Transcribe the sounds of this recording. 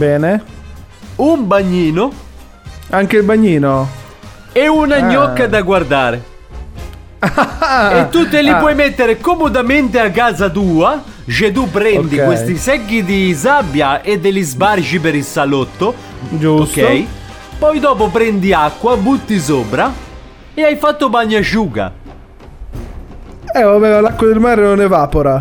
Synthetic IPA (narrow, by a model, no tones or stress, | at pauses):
bɛːne | umbaɲːiːno | aŋkeilbaɲːiːno | eunaɲːɔkːad̪aɡward̪aːɾe | et̪ːuelipwɔjmet̪ːeɾekomod̪ament̪eakːaːzat̪̬uːa | t͡ʃet̪̬upːɾɛnd̪ikwest̪isɛɡːid̪isabːjaed̪ːelizbard͡ʒipeɾilsalot̪ːo | d͡ʒuoskːɛj | pɔjd̪ɔːpopɾɛnd̪iakːwabut̪ːis̬oːpɾa | eajfat̪ːobaɲːaʃuːɡa̰ | ɛvabɛalakːwad̪elmaːɾenonɛvaːpoɾa